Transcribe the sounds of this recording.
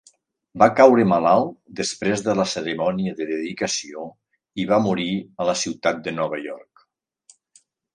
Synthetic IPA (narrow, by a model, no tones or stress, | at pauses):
bakawɾəmalalˠd̪əspɾezðələsəɾəmɔniəðəðəðikəsio | iβamuɾiələsiwt̪at̪̚d̪ənɔβəjɔɾk